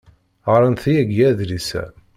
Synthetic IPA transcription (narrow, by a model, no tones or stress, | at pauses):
ɾˤənθijæɡjæðlisæ̰